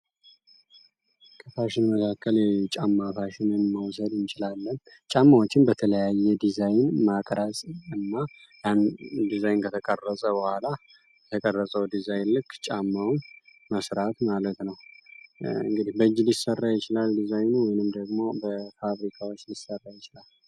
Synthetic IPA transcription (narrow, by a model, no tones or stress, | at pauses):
kʰəfaʃɪnməkʰakːəlt͡ʃʼamːafaʃɪnɨnməwsəd̪ɨnt͡ʃɪlalːən | t͡ʃʼamːawot͡ʃːɪnbət̪ʰələjajːɛd̪izajnmakʼɾasʼɨnːa | jand̪izajnkʰət̪ʰəkʼərːəsʼəbəhʷala | ɛt̪ʰəkʼərːəsʼəwd̪izajnlɨkʰːt͡ʃʼamːawnməsɾat̪malət̪nəw | ɨ̰ŋɡɨd̪ihbəɨd͡ʒːlisərːajɪt͡ʃɪlald̪izajnuwɔjnɨmd̪əɡmo̞bəfaβɾikʰawo̞t͡ʃːlisərːajɪt͡ʃɪlal